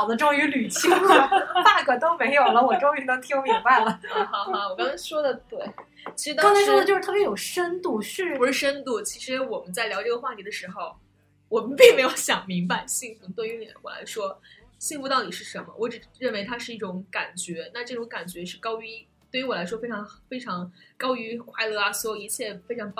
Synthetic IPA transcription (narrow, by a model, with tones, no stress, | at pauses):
ɑ˨˩ʊd̪ə˦ʈ͡ʂʊ˥˩ŋy˧˥ly˨˩t͡ɕʰi˥˩t̪a˥˩kɤ˨˩t̪o˥ʊme˧˥ɪjo˨˩ʊʊlə˦wɔ˨˩ʈ͡ʂo˥ŋy˧˥˩nə˥ŋt̪ʰi˥jo˧˥mi˧˥ŋba˥˧ɪlə˩˥˩xɑ˧˩a˧˩wɔ˨˩kɑ˥ŋt͡sʰʂwɔ˥d̪ə˨t̪we˥˩ɪ | t͡ɕʰi˧˥ʂɻ̩˧˥ɑ˥ŋt͡sʰa˧˥ɪʂwɔ˥d̪ə˧ʈ͡ʂʂɻ̩˥t̪ʰpjɛ˥jo˨˩ʊʂə˥nt̪u˥˩ʂɻ̩˥˧pu˧˥ʂɻ̩˥˩ʂə˥nt̪u˥˩t͡ɕʰi˧˥ʂɻ̩˧˥wɔ˨˩mə˦nt͡sa˥˩ɪljɑ˧˥ʈ͡ʂɤ˥˧˩ɡə˩xwa˥˧˩t̪ʰi˧˥d̪ə˧ʂɻ̩˧˥xo˧ʊ | wɔ˨˩mə˦npi˥˩ŋme˧˥ɪjo˧˥ʊɕjɑ˨˩ŋmi˧˥ŋpa˧ɪɕi˥˧ŋfu˥˩t̪wa˥˩y˧˥li˨˩˥wɔ̰˨˩la̰˧˥ɪʂwɔ˥ɕi˥˧ŋfu˥˧t̪ɑ˥˩ʊt̪i˨˩ʂɻ̩˥˩ʂə˧˥nmə̰˧wɔ˧˥ʈ͡ʂɻ̩˨˩ɻə˥˩nwe˧˥ɪt̪ʰa˥ʂɻ̩˥˧i˥˩ʈ͡ʂʊ˧˥ŋka˨˩nt͡ɕɥɛ˧˥na˥˧ʈ͡ʂɤ˥˩ʈ͡ʂʊ˧˥ŋka˨˩nt͡ɕɥɛ˧˥ʂɻ̩˥˩kɑ˥ʊy˧˥ | t̪we˥˩y˧˥wɔ˨˩la˧˥ɪʂwɔ˥fe˥ɪʈ͡ʂʰɑ˧˥ŋfe˥ɪʈ͡ʂʰɑ˧˥ŋkɑ˥ʊy˧˥kʰwa˥˧ɪlɤ˥˩a˩swɔ˥˩i˧˥t͡ɕʰjɛ˥˩fe˥ɪʈ͡ʂʰɑ˧˥ŋp